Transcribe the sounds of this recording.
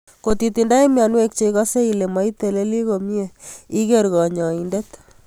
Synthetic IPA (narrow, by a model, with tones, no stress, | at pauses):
ko˨t̪i˨t̪i˨nda˦i˦mja˨nwe˦k̚t͡ʃe˦kɔ˦se˦i˨le˨ma˨˦i˦t̪e˨le˦li˦ko˨mje˨i˦ke˦ɾɣɔ˨ɲɔ˨i˨nde˦t̪